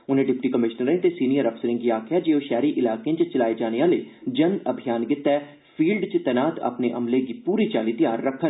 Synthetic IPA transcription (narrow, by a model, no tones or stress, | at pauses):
ʊnẽɖɪpʈiːkəmɪʃnəɾẽnt̪esiːnijəɾəpʰsəɾɪ̃ŋɡiaːkʰjad͡ʒeːoʃɛːɾiʔɪlaːkeãt͡ʃt͡ʃəlaːed͡ʒaːnejãːleːd͡ʒənəbʱijaːnɡɪt̪ːɛː | pʰiːlɖt͡ʃət̪ɛːnaːt̪ə̰pneʔɐ̰mleɡipuːɾit͡ʃaːlit̪ɪjaːɾːəkʰːən